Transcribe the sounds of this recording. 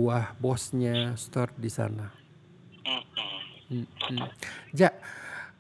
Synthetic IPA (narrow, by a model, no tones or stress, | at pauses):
ahbɔsɲast̪ɔrdisa̰na | d͡ʒaʔ